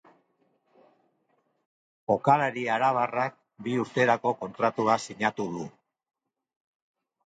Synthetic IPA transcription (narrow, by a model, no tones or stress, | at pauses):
o̞kalaɾiaɾaβ̞arak̚ | biuɾt̪e̞ɾako̞ko̞nt̪ɾat̪uasiɲat̪uðu